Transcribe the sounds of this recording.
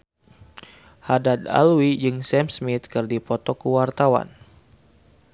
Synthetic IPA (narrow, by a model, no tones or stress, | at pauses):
hadad̪a̰lwid͡ʒɨŋsɛmsmit̪̚kɨrdipɔt̪ɔkuwart̪awa̰n